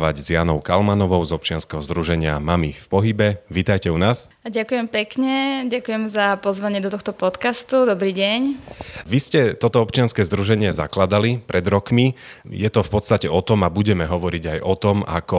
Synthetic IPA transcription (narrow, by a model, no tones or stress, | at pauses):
ʋaɟzjaːnɔʊkalmanɔʋɔʊzɔp̚t͡ʃɪanskɛɦɔzd̪ɾuʒɛɲɪamamifpɔɦibɛʋiːt̪ajcɛunaːs | ɟakujɛmpɛkɲɛɟakujɛmzapɔzʋaɲɪɛd̪ɔt̪ɔxt̪ɔpɔt̪kast̪ud̪ɔbɾiːɟɛɲʋiscɛt̪ɔt̪ɔɔpt͡ʃɪanskɛːzd̪ɾuʒɛɲɪɛza̰klad̪alipɾʔɛd̪ɾɔkmi | jɛt̪ɔfpɔt̪st̪acɛɔt̪ɔmabuɟɛmɛɦɔʋɔɾiɟajʔɔt̪ɔma̰kɔ